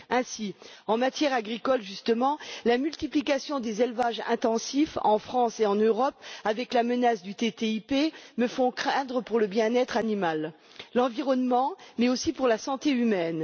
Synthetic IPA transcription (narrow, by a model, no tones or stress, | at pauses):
ɛ̃siɑ̃mat̪jɛʁaɡʁikɔlʒyst̪əmɑ̃lamylt̪iplikasjɔ̃d̪ezelvaʒɛ̰̃t̪ɑ̃sifɑ̰̃fχɑ̃seɑ̃nøʁɔpavɛklamənasd̪yt̪et̪eipeməfɔ̃kχɛ̃d̪ʁəpuʁləbjɛ̃nɛt̪χanimalː | ɑ̃viʁɔnmɑ̃mɛosipuʁlasɑ̃t̪eymɛn